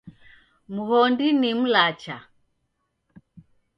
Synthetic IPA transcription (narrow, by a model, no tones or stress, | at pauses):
muhɔndinim̩lat͡ʃa